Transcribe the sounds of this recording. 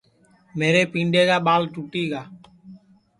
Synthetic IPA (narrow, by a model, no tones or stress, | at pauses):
meːɾeːpĩːɳɖeːɡaːɓaːlʈuːʈiːɡaː